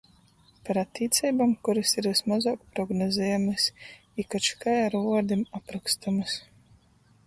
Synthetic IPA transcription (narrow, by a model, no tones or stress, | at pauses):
paɾat̪ʲːiːt̪sʲɛjbamkuɾɨsiɾvismazaːkpɾɔɡnɔzʲɛjamɨs | ikat͡ʃkajaɾuɔd̪imapɾakst̪amɨs